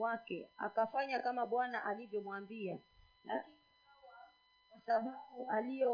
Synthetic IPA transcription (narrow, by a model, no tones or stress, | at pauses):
wakɛ̰a̰kafaɲakamaɓwanaʔalivjɔmwambia | lai | awa | kasaɓauʔaliɔ